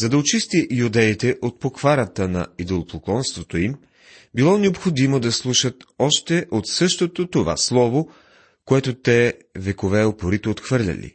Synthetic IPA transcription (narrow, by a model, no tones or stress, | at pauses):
zɐd̪ɐot͡ʃist̪iʔjud̪ɛit̪ɛʔot̪̚pokvaɾət̪ənɐ̰id̪olˠoplˠoklˠɔnst̪vot̪oim | bilˠɔnɛopxod̪imod̪ɐslˠuʃət̪ɔʃt̪ɛʔot̪sɤʃt̪ot̪ot̪ova̰slˠɔvo | koɛt̪ot̪ɛ | vɛkovɛopoɾit̪ɛot̪xvɤɾlʲɐ̰lḭ